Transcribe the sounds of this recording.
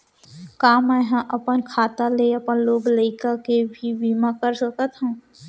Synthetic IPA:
kaːməɦãʔəpənkʰaːt̪aleɐpənloːɡləɪkakebʱibiːmakəɾsəkət̪ɦɛ̃ː

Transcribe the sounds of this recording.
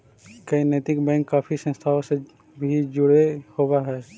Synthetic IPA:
kəineːt̪ɪkbɛ̃ːŋkːaːpʰisə̃nst̪ʰaːõse | bʱid͡ʒʊɽehoːwaɦɛː

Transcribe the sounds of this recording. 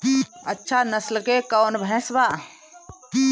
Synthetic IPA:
ɐtːʃʰanɐslkekawnbʱɛ̃ːsbaː

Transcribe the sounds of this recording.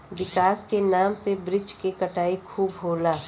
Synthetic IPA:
ʋɪkaːskenaːmpebɾɪt͡ʃkekɐʈaːikʰuːbɦoːlaː

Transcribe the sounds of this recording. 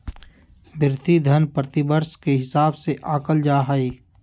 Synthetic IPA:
bʱɪɾt̪id̪ʱənpɾət̪ɪbəɾskeɦɪsaːbseʔaːkəld͡ʒaːɦaiː

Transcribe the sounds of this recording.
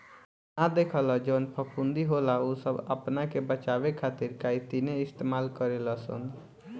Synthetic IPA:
nad̪ekʰəlɔd͡ʒənpʰəpʰund̪iɦolaosəbə̰pnakebət͡ʃabekʰat̪iɾkait̪ineɪst̪emalkəɾeləsə̰nd̪

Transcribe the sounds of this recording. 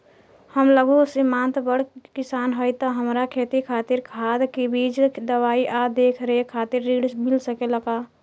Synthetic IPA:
həmləɡosɪmãːnt̪bəɽkɪsaːnɦɔit̪oɦəmɾakʰeːt̪ikʰaːt̪ɪɾkʰaːd̪kebiːd͡ʒd̪əwaːiʔad̪eːkʰɾekʰaːt̪ɪɾːiːɽsmɪlsəkeləɡaː

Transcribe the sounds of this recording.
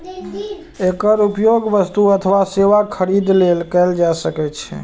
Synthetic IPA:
ekəɾupjoɡʋəst̪uət̪ʰʋaseʋakʰəɾid̪lelkɛld͡ʒasəkɛt͡ʃʰɛ̰

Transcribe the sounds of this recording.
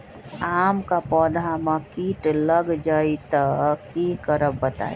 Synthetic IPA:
aːmkapɔːd̪ʱamãkiːʈləɡd͡ʒait̪əkːikəɾəbbət̪a̰ːi

